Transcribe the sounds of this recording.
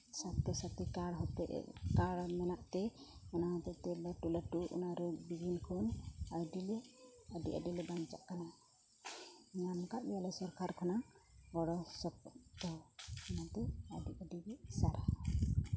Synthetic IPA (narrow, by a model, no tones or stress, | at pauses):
sat̪ɛsat̪ikaɽɦɔt̪ɛ̰ʔkaɽmɛnaʔt̪ɛɔnaɦɔt̪ɛt̪ɛlaʈulaʈuṵnaɾɔbiɡinkʰɔnajɖilɛəɖḭʔə̰ɖilɛbaɲd͡ʒa̰ʔkana | ɲankaʔbɛjalɛsɔɾkʰaɾkʰɔna | ɡɔɽɔsɔp̚t̪ɔnat̪ɛaɖiʔəɖibisaɾa